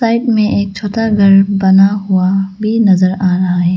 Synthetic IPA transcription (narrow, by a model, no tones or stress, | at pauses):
saːɪʈmẽʔeːk̚t͡ʃʰoːʈaɡʱɐɾbɐnaɦuabʱinɐzəɾaːɾɐɦaɦɛː